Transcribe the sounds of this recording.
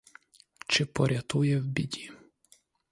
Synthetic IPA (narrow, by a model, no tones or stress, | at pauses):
t͡ʃɪpɔɾʲɐt̪ujɛwbʲidʲi